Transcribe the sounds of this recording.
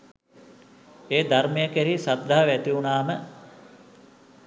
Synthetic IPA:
eːd̪armejəkæɾisat̪̚d̪aɦaʋæt̪iunaːmə

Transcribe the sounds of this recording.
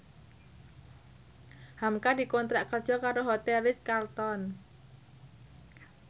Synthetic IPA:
hamkadi̤kont̪ɾaʔkərdd͡ʒʒ̥ɔ̤kaɾoɦot̪ɛlɪskart̪ɔn

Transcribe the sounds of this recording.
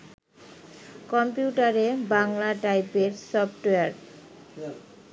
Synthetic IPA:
kɔmpjuʈaɾebaŋlaʈajpeɾsɔpʈeaɾ

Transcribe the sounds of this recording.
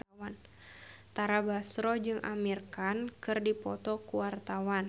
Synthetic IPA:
an | t̪aɾabasɾɔd͡ʒɨŋʔa̰mirkankɨrdipɔt̪ɔkuwart̪awan

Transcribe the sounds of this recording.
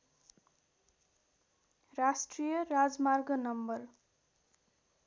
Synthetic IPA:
rasʈrijʌrad͡zmarɡʌnʌmbʌr

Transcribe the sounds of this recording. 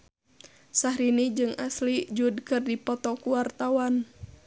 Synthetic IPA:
sahɾinid͡ʒɨŋaslid͡ʒudkɨrdipɔt̪ɔkuwart̪awan

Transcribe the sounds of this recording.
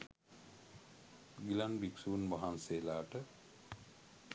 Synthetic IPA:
ɡilanbiksuːnbaɦanseːlaːʈə

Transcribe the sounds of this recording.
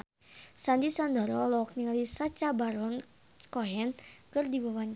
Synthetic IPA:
sand̪isand̪ɔɾɔlɔk̚niŋalisat͡ʃabaɾɔn | kɔɦɛnkɨrdibawan

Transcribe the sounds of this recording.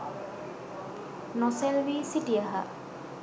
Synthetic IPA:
nɔselbisitiaɦa̰

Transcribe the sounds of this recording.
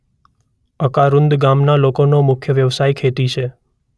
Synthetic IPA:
əkaɾʊ̃nd̪ɡamnalokonomʊkʰjəʋjəʋsajkʰet̪it͡ʃʰe

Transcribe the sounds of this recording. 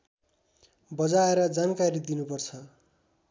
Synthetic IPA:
bʌd͡zaeɾʌd͡zankaɾid̪inupʌrt͡sʰʌ

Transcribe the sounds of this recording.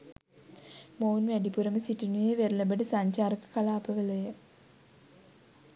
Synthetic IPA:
mownʋæɖipuɾɐməsiʈinujeʋerulɐbɐɖɨsaɲt͡ɕaːɾɐkə̥kɐlaːpɐʋəlɐjə

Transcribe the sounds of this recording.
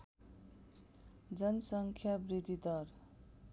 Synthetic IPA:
d͡zʌnʌsʌŋkʰjabrid̪ʱid̪ʌr

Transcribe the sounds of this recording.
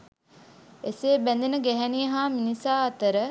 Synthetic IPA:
eseːbænd̪enəɡæɦɛnijəɦaːminisaːɐt̪əɾə

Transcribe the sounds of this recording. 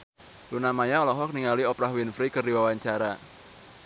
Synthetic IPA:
lunamaɲaɔlɔɦɔk̚niŋaliɔpɾahwinfɾikərdiwawaɲt͡ʃaɾa

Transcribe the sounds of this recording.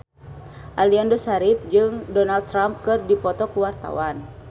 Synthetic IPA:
ʔaliandosaɾip̚d͡ʒɨŋdɔnald̪̚ɾamp̚kɨrdipɔt̪ɔkuwart̪a̰wan

